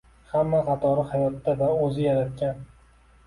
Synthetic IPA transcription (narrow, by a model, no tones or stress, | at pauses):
hamːaqʰɑt̪ʰɒɾɪhajɒt̪ːavaɵzɪjaɾat̪̚kʲan